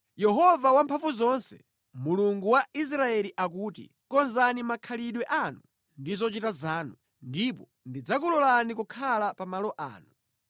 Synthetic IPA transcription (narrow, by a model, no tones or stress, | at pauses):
jɛɦɔvawampʰaɱvuzɔnsɛ̰ | muluŋɡuwais̬ɾaɛliʔak̬uːtḭ | kɔnzanimakʰaliɗwɛʔanu | ndizɔt͡ʃitazaːnu | ndipɔ | ndid͡zakulɔlanikukʰalapamalɔʔa̰ːnu